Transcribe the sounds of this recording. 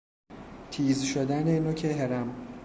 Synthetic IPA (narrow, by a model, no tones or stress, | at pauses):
t̪ʰiːzʃod̪ænenocʰeɦeɾæm